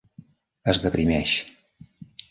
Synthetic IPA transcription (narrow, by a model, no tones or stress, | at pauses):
əzðəpɾimɛʃ